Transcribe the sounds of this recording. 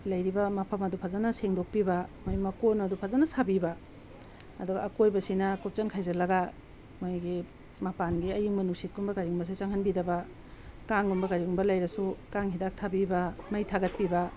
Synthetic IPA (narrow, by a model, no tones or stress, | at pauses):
lɐjɾibɐmapʰɐmɐdupʰazanɐseŋdok̚pibɐmojmɐkonɐdupʰazɐnɐsabibɐ | ɐduɡɐ̰ːkojbɐsinɐkup̚t͡ʃɐnkʰajzɐlɐɡa | mojɡi | mɐpanɡiɐjuŋmɐnusit̚ɡumbɐkaɾiumbɐs̬it͡ʃaŋhɐnbidɐbɐ | kaŋɡumbɐkaɾiumbɐlɐjɾɐsukaŋɦidak̚tʰabibɐmɐjtʰaɡɐt̚pibɐ